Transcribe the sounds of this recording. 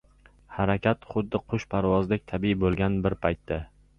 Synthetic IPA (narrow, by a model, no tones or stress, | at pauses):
haɾakʲʰat̪χʊd̪ːɪqʰʊʃpʰaɾvɒzlɪk̚ʲt̪ʰabibolˠɡʲanbɪɾpʰajt̪ːa